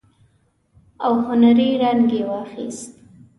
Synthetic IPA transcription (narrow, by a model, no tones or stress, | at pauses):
awhʊnaɾiɾaŋɡewɑxḭst̪